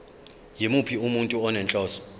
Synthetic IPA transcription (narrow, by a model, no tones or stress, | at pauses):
jimupʰiumuntʼuɔnɛnt͡ɬʼɔːsɔ̥